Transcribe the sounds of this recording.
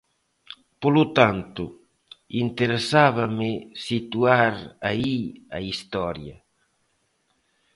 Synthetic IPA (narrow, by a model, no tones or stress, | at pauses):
polut̪ant̪ʊ | int̪eɾesaβɐmɪsit̪uaɾaia̰ist̪ɔɾjɐ